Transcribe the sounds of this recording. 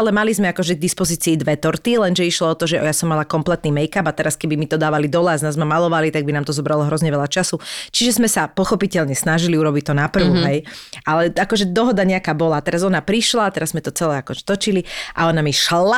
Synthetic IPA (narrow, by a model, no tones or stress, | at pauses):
alɛmalizmɛakɔʒɛɡ̚d̪ispɔziːt͡siːd̪ʋɛt̪ɔɾt̪ilɛnʒɛiʃlɔɔt̪ɔʒɛɔ̰jasɔmːalakɔmplɛt̪niːmɛjkabat̪ɛɾaskɛbimit̪ɔd̪aːʋalid̪ɔlɛaznazmamalɔʋalit̪aɡ̚binaːmt̪ɔzɔbɾalɔɦɾɔzɲɛʋɛlʎat͡ʃasut͡ʃiʒɛzmɛsapɔxɔpicɛʎɲɛsnaʒiliuɾɔbict̪ɔnapr̩ʊɦɛjʔalɛakɔʒɛd̪ɔɦɔd̪aɲɛakaːbɔlat̪ɛɾazɔnapɾiʃlat̪ɛɾazzmɛt̪ɔt͡sɛlɛakɔʒɛ̥t̪ɔt͡ʃiliʔa̰ɔnamiʃla